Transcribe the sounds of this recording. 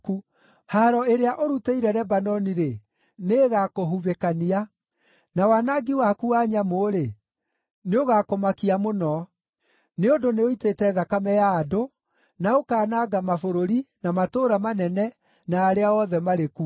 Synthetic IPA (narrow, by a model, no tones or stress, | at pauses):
ku | haɾɔeɾeaʔoɾuteiɾɛɾɛbanɔniɾe | neːɣakoɦuβekania | nawanaɡiwakuaɲamoɾe | neoɣaːkomakiamonɔ | neondoneoitetɛðakamɛjaːdo | naokaːnaːɡamafoɾoɾinamatoːɾamanɛnɛ | naːɾeaɔðɛmaɾeku